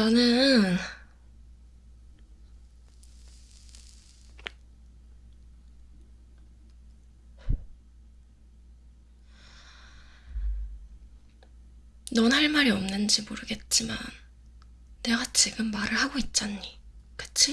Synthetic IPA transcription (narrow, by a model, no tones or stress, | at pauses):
t͡ɕʌnɯn | nʌnɦaɭmaɾiʌmnɯnd͡ʑimoɾɯɡe̞t̚t͡ɕ͈ima̰nː | e̞ɡat͡ɕiɡɯmːaɾɯɭhaɡoit̚t͡ɕ͈anɲːikɯ̥t͡ɕʰi